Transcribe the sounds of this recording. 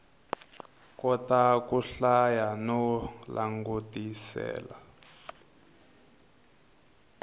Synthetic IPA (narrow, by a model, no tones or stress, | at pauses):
kɔtakuɬajanɔlʔa̰ŋɡutisɛ̰ːla